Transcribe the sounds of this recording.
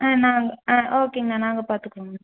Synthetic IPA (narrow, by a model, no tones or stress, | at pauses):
ãːnaːŋɡɐãːʔoːkeːŋɡɪnaːnaːŋɡɐpaːɾt̪ɯkːoŋɡɐn